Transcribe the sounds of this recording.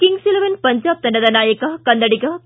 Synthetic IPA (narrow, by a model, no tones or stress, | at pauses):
kɪŋɡsɪlɐʋɐnpɐɲd͡ʒaːp̚t̪ːɐɳɖɐðɐnaːjɐkɐkɐnd̪ɐɽɪkɐː